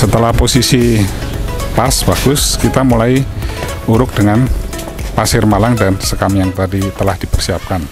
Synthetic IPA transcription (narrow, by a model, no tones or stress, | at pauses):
sət̪əlahposisi | pasbaɡ̥ʊskit̪amulai | uɾʊk̚d̥əŋan | pasɪrmalaŋdansəkamjaŋt̪adit̪əlahd̥ipərsiap̚kan